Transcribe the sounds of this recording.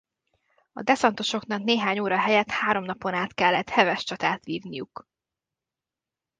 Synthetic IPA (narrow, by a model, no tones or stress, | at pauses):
ɒ̰d̪ɛsɒnt̪o̞ʃo̞knɒkneːɦaːɲoːɾɒɦɛjɛt̪haːɾo̞mnɒpo̞naːt̪kɛlːɛt̪hɛvɛʃt͡ʃɒt̪aːt̪ʋiːvnijuk